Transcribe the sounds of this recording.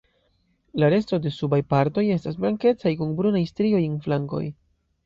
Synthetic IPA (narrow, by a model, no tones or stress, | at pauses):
laɾe̞sto̞de̞subajpaɾto̞je̞stasblaŋke̞t͡sajkunbɾunajstɾio̞jenflaŋko̞̰j